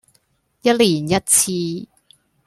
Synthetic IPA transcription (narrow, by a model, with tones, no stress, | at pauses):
jɐ˥t̚liː˨˩njɐ˥t̚t͡sʰiː˧